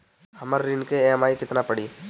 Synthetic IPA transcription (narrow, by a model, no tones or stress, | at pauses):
hɐməɾːɪnkemaːikɪt̪napɐɽiː